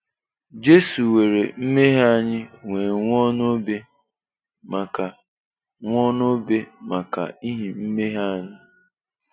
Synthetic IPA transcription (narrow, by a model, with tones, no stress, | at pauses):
d͡ʒe˦su˨we˨ɾe˨m̩˦me˦ɦa˦ɲɪ˦ŋʷe˨ŋʷ˦ɔ˦no˦be˦ | ma˨ka˨ | ŋʷ˦ɔ˦n˦o˦be˦ma˨ka̰˨i˦ɦi˨m̩˦me˦ɦa˦ɲɪ˦